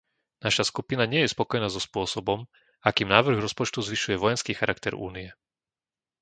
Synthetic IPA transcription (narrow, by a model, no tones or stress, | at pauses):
naʃaskupinaɲɪɛjɛspɔkɔjnaːzɔspʊɔsɔbɔm | akiːmnaːʋr̩ɣɾɔspɔt͡ʃt̪uzʋiʃujɛʋɔjɛnskiːxaɾakt̪ɛɾṵːniɛ